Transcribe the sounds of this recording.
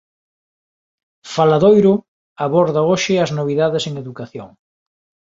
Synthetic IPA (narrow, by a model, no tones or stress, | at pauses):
falaðojɾʊ | aβoɾðɐoʃɪɐznoβ̞iðaðeseŋeðukaθjo̰ŋ